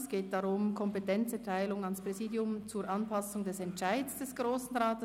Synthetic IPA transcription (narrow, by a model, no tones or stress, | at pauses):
sɡ̥eːt̚d̥aʁʊmkʰɔmpetɛnt͡sɛtʰaɪlʊŋɑnspʁ̥ɛziːdjʊmt͡suːɾʔɑnpʰɑsʊŋdɛsɛnt͡ʃaɪdsd̥ɛsɡ̥ʁoːsn̩ʁaːtə